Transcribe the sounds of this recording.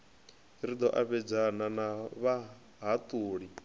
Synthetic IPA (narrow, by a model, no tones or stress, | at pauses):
ɾid̪ɔʔaβɛd͡zananaβa | ɦat̪ʼuːɺi